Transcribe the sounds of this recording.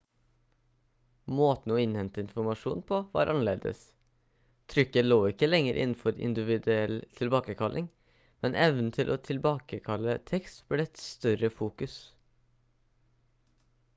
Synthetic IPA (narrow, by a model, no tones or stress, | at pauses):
moːt̪n̩oːɪnhɛnt̪əɪnfʊɾmɑʂuːnpʰoːʋɑ̰ːɾʔɑnəleːd̪ə̰s | t̪ʰɾʏkːəloːɪkːəlɛŋəɾʔɪ̰nn̩fɔɾɪ̰nd̪ɪʋɪd̪ʉɛlt̪ʰɪlbɑːkəkʰɑlʔɪŋ | mɛnʔɛʋnn̩t̪ʰɪlʔoːt̪ʰɪlbɑːkəkʰɑlːət̪ʰɛkst̪b̥leːɛt̪st̪œɾəfuːkʉs